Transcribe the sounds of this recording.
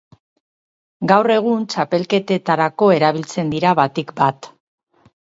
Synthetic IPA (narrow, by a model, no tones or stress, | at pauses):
ɡawre̞ɣ̞unt͡ʃape̞lke̞t̪e̞t̪aɾako̞e̞ɾaβ̞ilt͡se̞nd̪iɾaβat̪ikbat̪